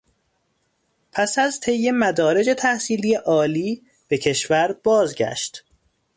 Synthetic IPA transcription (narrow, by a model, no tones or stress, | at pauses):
pʰæsæzt̪ʰe̞jːe̞mæd̪ɒːɾe̞d͡ʒe̞t̪ʰæhsiːlije̞ʔɒːliː | b̥ecʰe̞ʃvæɾb̥ɒːzɟæ̰ʃt̪